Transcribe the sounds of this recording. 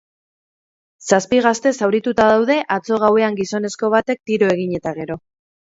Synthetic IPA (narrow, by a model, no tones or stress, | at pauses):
saspiɣ̞ast̪e̞sawɾit̪ut̪aðawð̞e̞ʔat͡so̞ɣ̞awe̞aŋɡiso̞ne̞sko̞β̞at̪e̞k̚t̪iɾo̞e̞ɣ̞iɲe̞t̪aɣ̞e̞ɾo̞